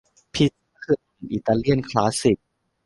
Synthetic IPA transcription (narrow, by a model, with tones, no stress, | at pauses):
pʰi˧t̚kʰɯː˧˩a˨˩nʔḭ˨˩t̪aː˧li˥˩ənkʰlaː˩˦˥si˨˩p̚